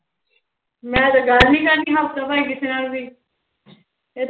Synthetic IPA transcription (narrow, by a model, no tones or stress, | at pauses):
mɛ̃ːt̪aɡəlnĩːkəɾnĩːɦat̪ãːbaːiːkɪt̪ʰenaːld̪iː | e